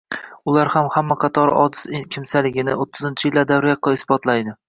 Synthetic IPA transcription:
ʊlaɾhamhamːaqʰɑt̪ʰɒɾɒ̰d̪ɪ̥skʲʰɪmsalɪɡʲɪnɪ̰ot̪ʰːɪzɪnt͡ʃʰɪjɪlːad̪avɾijaqːɒɪsbɒt̪lajd̪ɪ

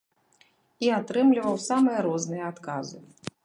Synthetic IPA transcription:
iat̪ɾɨmlʲivɐwsamɨjɐɾɔznɨjɐat̪kazɨ

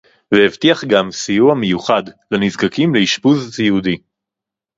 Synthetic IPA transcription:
veevtiaχɡamsijuamejuχadlenizɡakimleiʃpuziud̪i

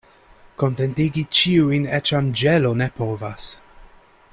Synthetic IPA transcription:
ko̞ntentiɡit͡ʃiuinɛt͡ʃamd͡ʒelonepovas

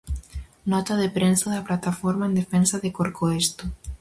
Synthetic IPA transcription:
nɔt̪aðepɾensaðaplat̪afɔɾmaẽnd̪efensaðekoɾkoest̪o

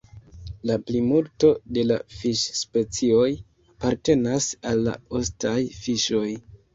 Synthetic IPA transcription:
laplimulto̞de̞la̰fiʃspe̞t͡sio̞j | apaɾte̞nasalːa̰ostajfiʃo̞j

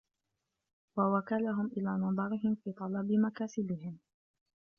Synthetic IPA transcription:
wawakalaɦʊmʔɪlaːnɑðˤɑɾɪɦɪmfiːt̪ˤɑlɑbɪmakaːsɪbɪɦɪm

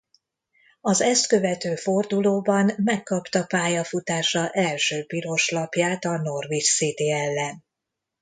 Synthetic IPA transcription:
ɒzɛst̪kø̞vɛt̪øːfo̞rd̪uloːbɒnmɛkːɒpt̪ɒpaːjɒfut̪aːʃɒʔɛlʃøːpiɾo̞ʃlɒpjaːt̪ɒno̞rvit͡ʃsid̪iɛlːɛn

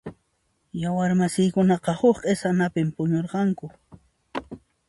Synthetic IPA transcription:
jawaɾmasɪjkʊnɑqɑhʊkqʼesanapɪmpʊɲoɾqɑŋkʊ

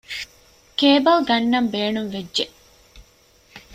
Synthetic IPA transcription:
keːbɐlɡɐnːɐmbeːnuŋʋed͡ʒːʒe

